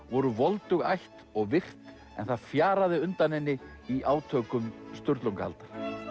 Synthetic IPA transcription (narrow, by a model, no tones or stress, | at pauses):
vɔɾʏvɔlt̪ʏɣa̰jht̪ɔɣvɪr̥t̪n | ɛ̰nθaðfjaːɾaðɪʏnt̪anɪnːɪ | iʔaːwt̪ʰœːkʏmst̪ʏɾt̪luŋkaha̰lt̪aɾ̥